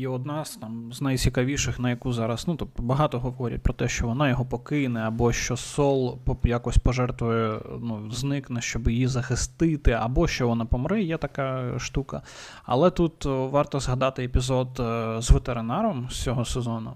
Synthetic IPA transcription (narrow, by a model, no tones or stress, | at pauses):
iɔd̪nɑzt̪ɑmznɐjt͡sʲikɐʋʲiʃɪxnɐjɐkuzɑɾɐsnut̪up̚t̪bɐɦɑt̪ɔɦɔɦɔʋɔɾʲḭt̚ʲpɾɔt̪ɛʃt͡ʃɔʋɔnɑjɔɦɔpɔkɪnɛɐbɔʃt͡ʃɔsɔlˠpjakɔsʲpɔʒɛrt̪ʋʊjɛnuznɪknɛʃt͡ʃɔbjjizɐxɪst̪ɪt̪ɪɐ̰bɔʃt͡ʃɔʋɔnapɔmɾɪjɛt̪ɐkɑʃt̪ukɐ | ɐ̰lˠɛt̪ut̪ʋɑrt̪ɔzɦɐd̪ɑt̪ɪepʲizɔd̪zʋet̪eɾɪnɑɾɔmst͡sʲɔɦɔsezɔnʊ